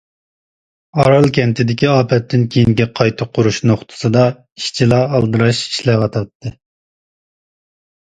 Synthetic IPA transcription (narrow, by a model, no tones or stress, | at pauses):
ɑɾɑlˠkʲʰɛnt̪ʰɪd̪ɪkʲiɑːpɛt̪ʰːɪnkʲʰejiŋɡʲɛqʰɑjt̪ʰɨp̚qʰʊɾuʃnoχt̪ʰɨ̥sɨd̪ɑ | iʃt͡ʃʰilɑːlˠd̪ɨɾɑʃi̥ʃlɛʁɑt̪ʰɑt̪ʰːɨ